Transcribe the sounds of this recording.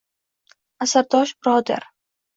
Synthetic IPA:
asaɾd̪ɒʃbɪɾɒd̪a̰ɾ

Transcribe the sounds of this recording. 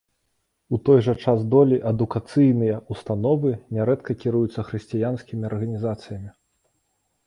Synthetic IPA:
ut̪ɔjʐɐt͡ʂazd̪ɔlʲiʔɐd̪ukat̪sɨjnɨjɐust̪anɔvɨnʲɛɾɛt̪kɐkʲiɾujut̪sːɐxɾɨsʲt͡sʲijansʲkʲimʲiɐrɣɐnʲizat̪sɨjɐmʲi

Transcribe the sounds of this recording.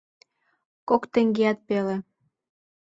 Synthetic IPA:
kokt̪ĕŋɡeɑt̪̚pele

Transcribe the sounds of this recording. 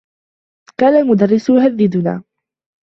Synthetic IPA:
kaːnalmʊd̪ɑrːɪsjʊɦaðːɪd̪ʊna̰ː

